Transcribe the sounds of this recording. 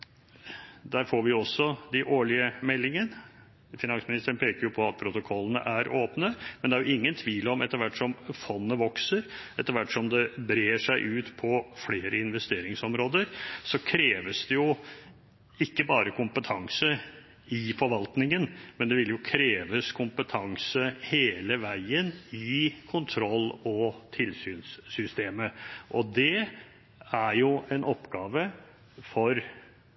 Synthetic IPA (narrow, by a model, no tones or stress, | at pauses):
d̪æːɾfoːɾʋɪɔsːɔd̪ɪʔoːɭɪəmɛlːɪŋən | fɪnɑnsmɪnɪst̪əɾənpʰeːkəɾjʊpʰɔɑt̪̚pʰɾʊt̪ʊkʰɔlːənə̰ʔæɾʔoːpnəmɛnd̪ɛæɾjʊɪŋːənt̪ʰʋiːlɔmɛt̪ːəɾʋæʈːʂɔmfɔnːəʋɔksəɾɛt̪ːəɾʋæʈːsɔmd̪ɛbɾeːʂæɪʔʉːt̪pʰɔfleːɾəɪnʋɛst̪eːɾɪŋsɔmɾoːd̪əɾsɔkʰɾeːʋəsd̪ɛjʊ | ɪkːəbɑːɾəkʰʊmpət̪ʰɑŋsə | ɪfɔɾʋɑlt̪nɪŋənmɛnd̪ɛʋɪljʊkʰɾeːʋəskʰʊmpət̪ʰɑŋsəheːləʋæɪənɪkʰʊnt̪ʰɾɔlːɔt̪ʰɪlsyːnsːʏst̪eːməʔɔd̪ɛ | æɾjʊʔɛnʔɔpːɡɑːʋə | fɔɾ